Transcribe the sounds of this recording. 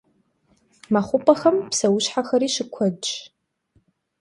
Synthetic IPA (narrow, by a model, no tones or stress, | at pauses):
mɐχʷʊpʼɐxɐmpsɐwʊɕħaxɐɾiːʃɪkʷʰɔd